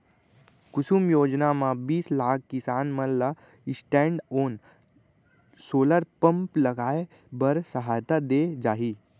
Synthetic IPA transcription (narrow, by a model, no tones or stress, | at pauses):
kʊsumjoːd͡ʒnamãbiːslaːk̚ːɪsaːnməlla | ɪsʈɛ̃ːɳɖoːn | soːləɾpə̃mplɐɡaːe | bɐɾsəɦaːjt̪ad̪eːd͡ʒaːɦiː